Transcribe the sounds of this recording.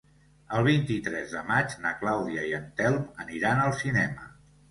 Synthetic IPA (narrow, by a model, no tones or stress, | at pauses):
əlˠβ̞int̪it̪ɾɛzðəmad͡ʒnəklawðiəiənt̪ɛlˠməniɾanəlˠsinɛmə̰